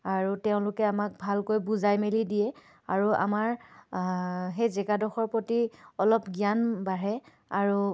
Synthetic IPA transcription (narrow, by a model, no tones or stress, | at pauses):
aɹutɛʊ̃lʊkɛamak̚bʱalkojbuzajmelidijɛ | a̰ɹua̰maɹ | ɦejzɛkadɔxɔɹpotiɔlɔpɡijanbaɹɛ | aɹu